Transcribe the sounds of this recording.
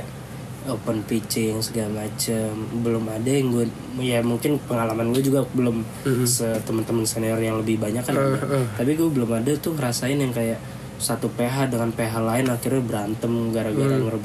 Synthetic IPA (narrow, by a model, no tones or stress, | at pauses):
opənfit͡ʃɪjŋsəɡalamat͡ʃəmbəlʊmadajŋɡuɛ | jamuŋkɪnpəŋalamanɡuɛd͡ʒuɡabəlʊm | sət̪əmənt̪əmənseniɔrjaŋləbɪhbaɲakanaat̪ap̬iɡuɛbəlʊmadat̪ʊŋəɾasaɪnjaŋkajaʔ | sat̪upeɦadəŋanpeɦalaɪnakɪrabəɾant̪əmɡaɾaɡaɾaŋərb